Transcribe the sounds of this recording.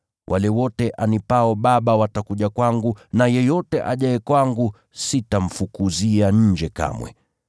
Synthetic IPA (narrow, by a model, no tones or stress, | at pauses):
wʔa̰lɛwɔtɛʔanipaɔɓaɓawatakuʄakwaŋɡunajɛjɔtɛʔa̰ʄaɛkwaŋɡu | sitam̩fukuziaɲ̩d͡ʒɛka̰mwɛ̰